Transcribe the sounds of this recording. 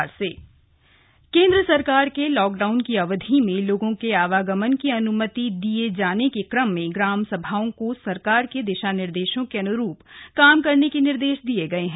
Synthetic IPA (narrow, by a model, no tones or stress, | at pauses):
ɾseː | kẽːnd̪ɾəsɐɾkaːɾkelɔːk̚ɖaːʊnkiɐʋəd̪ʱimẽloːɡõkeaːʋaːɡəmənkiɐnʊmət̪id̪ied͡ʒaːnekekɾəmːẽɡɾaːmsɐbʱaːõkosɐɾkaːɾked̪ɪʃanɪɾd̪eːʃõkeɐnʊɾuːpkaːmkɐɾnekenɪɾd̪eːʃd̪ieɡɐeɦɛ̃